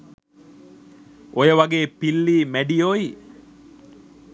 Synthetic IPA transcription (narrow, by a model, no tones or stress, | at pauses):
ojeʋɐɡeːpilːiːmæɖijoːi